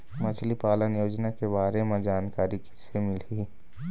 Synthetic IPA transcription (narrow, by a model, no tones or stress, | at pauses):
mət͡ʃʰlipaːlənjoːd͡ʒnakebaːɾemẽd͡ʒaːnkaːɾiki̥semɪli